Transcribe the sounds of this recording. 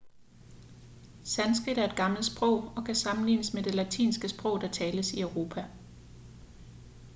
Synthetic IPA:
sænsɡ̥ʁid̥æɐe̝d̥̚ɡ̥ɑ̈ml̩sb̥ʁɔʊ̰ɒ̽kʰæsɑ̈mn̩liːnəsmed̥e̝læt͡sʰḭːnsɡ̥əsb̥ʁɔ̽ʊ̰d̥ɑ̈t͡sʰɛːləsiœʊʁo̝ːpʰæ

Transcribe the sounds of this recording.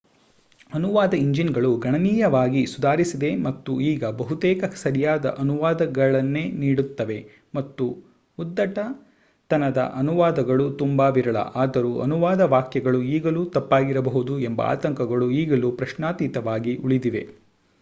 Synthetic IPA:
ɐnuʋaːd̪ɐiɲd͡ʒinɡɐɭuɡɐɳɐniːjɐʋaːɡisud̪aːɾisid̪e̞mɐt̪ːuiːɡɐbɐɦut̪ɛːkɐsɐɾijaːd̪ɐ̰ʔɐnuʋaːd̪ɐɡɐɭɐnːeːniːɽut̪ːɐʋe̞ | mɐt̪ːu | ud̪ːɐʈɐ | t̪ɐnɐd̪ɐ̰ʔɐnuʋaːd̪ɐɡɐɭut̪umbaːʋiɾɐɭɐ̰ʔaːd̪ɐɾuʔɐ̰nuʋaːd̪ɐʋaːkjɐɡɐɭuiːɡɐlut̪ɐpːaːɡiɾɐbɐɦud̪uembɐ̰a̰ːt̪ɐŋkɐɡɐɭuiːɡɐlupɾɐʃnaːt̪iːt̪ɐʋaːɡiʔuɭid̪iʋe̞̰

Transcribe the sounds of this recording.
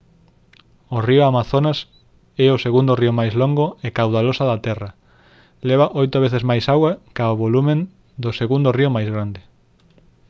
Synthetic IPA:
orioamaθonas | ɛoseɣund̪oriomajzloŋɡoekawðalosaðat̪ɛra | leβaʔojt̪oβ̞eθezmajsaɣwakaoβolumẽn | d̪oseɣund̪oriomajzɣɾand̪ɪ

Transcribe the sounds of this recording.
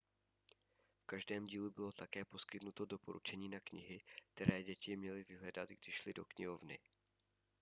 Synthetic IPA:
fkaʒdɛːmɟiːlubɪlo̞t̪akɛːpo̞skɪt̪nut̪o̞do̞poɾʔṵt͡ʃɛɲiːnakɲɪɦɪk̚t̪ɛɾɛːɟɛcɪmɲɛlɪvɪɦlɛdat̪ɡdɪʃlɪdo̞̰kɲɪɦo̞vnɪ̰

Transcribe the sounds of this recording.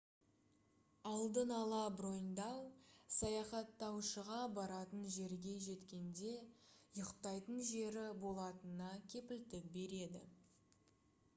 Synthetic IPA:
ɑlˠd̪ənɑlˠɑbɾo̞jnd̪ɑwsɑjɑχɑt̪ːɑwʃəʁɑbɑɾɑt̪ənʒe̞ɾɡʲe̞ʒe̞t̪kʲe̞nd̪e̞jəqt̪ɑjt̪ənʒe̞ɾɪbo̞lˠɑt̪ənɑkʲʰe̞pɪlt̪ɪk̚be̞ɾe̞d̪ɪ̰

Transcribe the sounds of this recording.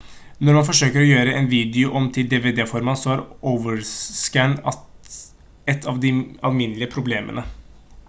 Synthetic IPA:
nɔɾmɑnfɔʂøːkəɾɔjøːɾəɛnʋiːd̪ɪʊʔɔmt̪ʰɪld̪eːʋeːd̪eːfɔɾmɑnsɔhæɾʔoːʋəskæɳɑt̪ | ɛt̪ʰːɑʋd̪ɪɑ̰lmɪnlɪəpʰɾʊbleːmʔə̰nə

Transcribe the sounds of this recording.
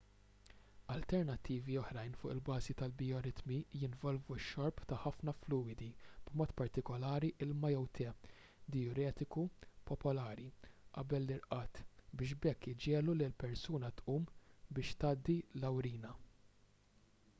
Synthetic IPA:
ɐlt̪ɛɾnɐt̪ːiːviɔħɾɐjnfʊːʔɪlbɐːzit̪ɐlbiɔɾɪt̪mijɪnvɔlvuʃːɔɾpt̪ɐħɐfnɐfluːɪd̪ib̥mɔːt̪pɐɾt̪ɪkɔlɐːɾiʔɪlmɐjɛwt̪ʰɛ | d̪ɛɔɾɛːt̪ɪkupɔpɔlɐːɾiʔɐbɛlːɪɾʔɐːt̪bɪːʃ̬bɛkːɪd͡ʒɛːlulɪlpɛɾsuːnɐt̪ʔuːmbɪːʃt̪ɐːd̪ːilɐwɾiːnɐ

